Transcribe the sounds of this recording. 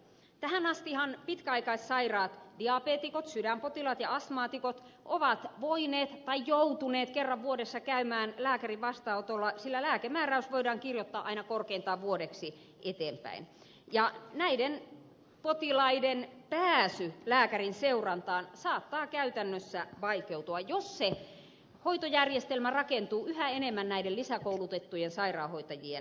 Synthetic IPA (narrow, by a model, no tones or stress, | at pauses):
t̪æhænɑst̪ihɑnpit̪kæɑikɑissɑirɑːt̪diɑpeːt̪ikot̪sydæmpot̪ilɑːt̪jɑɑsmɑːt̪ikot̪ʔoʋɑt̪ʋoineːt̪t̪ːɑijjout̪uneːt̪kerːɑʋʋuodesːɑkæymæːnlæːkæriʋɑst̪ɑout̪olːɑsilːælæːkemæːræysʋoidɑːŋkirjot̪ːɑːʔɑinɑkorkeint̪ɑːʋʋuodeksi | ʔet̪eːmpæ̰in | jɑnæiden | pot̪ilɑidenpæːsylæːkærinseurɑnt̪ɑːnsɑːt̪ːɑːkæyt̪ænːøsːæʋɑikeut̪uɑjosse | hoit̪ojærjest̪elmærɑkent̪uːyhæenemːænnæidelisækoulut̪et̪ːujensɑirɑːhoit̪ɑjien